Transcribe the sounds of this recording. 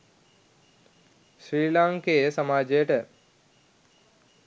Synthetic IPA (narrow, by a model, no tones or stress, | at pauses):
sɾiːlaŋkeːsɐmaːd͡ʒeːʈə